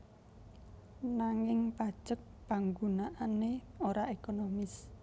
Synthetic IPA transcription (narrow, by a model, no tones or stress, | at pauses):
naŋɪŋpḁʒ̥ək̚paŋɡunaʔaneoɾaʔekonomɪs